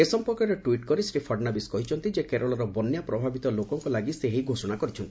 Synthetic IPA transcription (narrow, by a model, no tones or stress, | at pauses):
esɔmpɔɾkɔɾeʈuwiʈkɔɾisɾipʰɔɖnabiskɔɦit͡ʃʰɔnt̪id͡ʒekeɾɔɭɔɾɔbɔnjapɾɔbʱabit̪ɔlokɔŋkɔlaɡiseɦiɡʱosɔɽ̃akɔɾit͡ʃʰɔnt̪ii̥